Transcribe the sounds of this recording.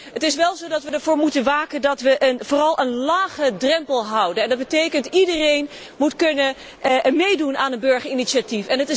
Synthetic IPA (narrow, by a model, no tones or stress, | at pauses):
ɦətɪsʋɛlˠzowdɑtʋədəɹvʊːɹmutənʋaːkəndɑtʋəʔnvʊːrɑlˠʔənlaːχədrɛmpəlˠɦʌwdənɛndɑd̚bətejkəntidərejn | mutkɵnə | mejdunaːnənbøɹχəɹiniʃatifɛnətɪ